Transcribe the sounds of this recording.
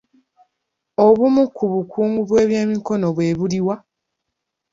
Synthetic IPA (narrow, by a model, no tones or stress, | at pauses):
o̞βumukʰːuβukʰuːŋɡuβweːβjeːmiko̞no̞βwe̞ːβuliwa